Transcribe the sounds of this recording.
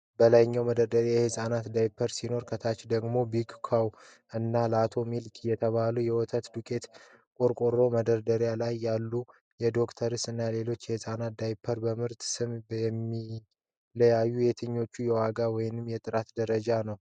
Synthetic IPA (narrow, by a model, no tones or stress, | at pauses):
bəlajɲːawməd̪əɾd̪əɾjajɛhɨsʼanat̪d̪ajpʰːəɾsino̞ɾkʰət̪ʰat͡ʃd̪əɡmo̞biɡkʰaw | ʔɨnːaləat̪ʰo̞milkʰʼjɛt̪ʰəβalujɛwɔt̪ʰət̪d̪ukʼe̞t̪ | kʼo̞ɾkʼoɾo̞məd̪əɾd̪əɾjalajːalːu | jɛd̪o̞kt̪ʰəɾɨsɨnːale̞lo̞t͡ʃːjɛhɨsʼanat̪̚d̪ajpʰːəɾbəmɨɾt̪sɨmbjɛmːi | ləjajːuje̞t̪ʰəɲːo̞t͡ʃːujɛwaɡawɔjnɨmjɛt̪ʼɨɾat̪d̪əɾəd͡ʒanəw